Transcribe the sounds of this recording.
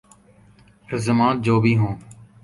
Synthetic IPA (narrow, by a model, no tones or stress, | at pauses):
ɾəzəmãːt̪̚d͡ʒoːbʱiːɦõː